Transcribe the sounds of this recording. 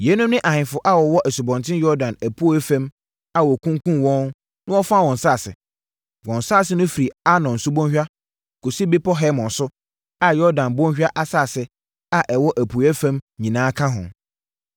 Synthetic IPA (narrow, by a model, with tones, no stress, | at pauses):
jɛ˨˦nũ˦mnɪ̃˦ʔa˨hɪ̃˨fʊ˨ʔa˦wɔ˨wɔ˦ʔæ˨su˨bɔ̃˨ntʰɪ̃˦njɔ˦ɾdã˨næ˨pʰu˦æ˦fæ̃˦m | a˨wɔ˨kʰũ˦ŋ˦kʰũ˦nwɔ̃˦n | nʊ̃˦ɔ˦fa˦wɔ̃˨n˨saː˦˨sɪ̰˨ | wɔ̃˨nsa˦˨sɪ˦nʊ̃˦fi˨ɾi˨a˦nɔ̃˨n̩˨su˦bɔ̃˦nɕᶣa˦ | kʰu˨si˦be˦pʰɔ˦ɦɛ˦mɔ̃˨nsʊ˦ | a˨jɔ˦ɾdã˨nbɔ̃˦ɕᶣa˦ʔa˦saː˦˨sɪ˨ | a˨ʔɛ˨wɔ˦ʔæ˨pʰu˨˦æ˦fæ̃˦mɲĩ˨nãː˨˦kʰã˦ɦʊ̰̃˨n